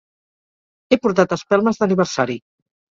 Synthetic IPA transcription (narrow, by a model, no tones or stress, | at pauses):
epuɾt̪at̪əspalˠməzðəniβ̞əɾsaɾi